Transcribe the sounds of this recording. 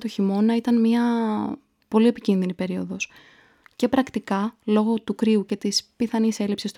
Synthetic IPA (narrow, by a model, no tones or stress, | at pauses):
t̪oçimo̞nɐit̪ɐnmɲɐ | po̞lie̞picinðinipe̞ɾio̞ðo̞s | ce̞pɾɐkt̪ikɐlo̞ɣo̞t̪ukɾiuce̞t̪ispiθɐnise̞lipsist̪